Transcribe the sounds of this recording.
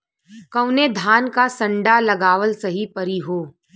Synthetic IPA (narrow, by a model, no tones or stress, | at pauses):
kɐʊned̪ʱaːnkasɐ̃ɳɖalɐɡaːʋəlsɐɦipɐɾiɦoː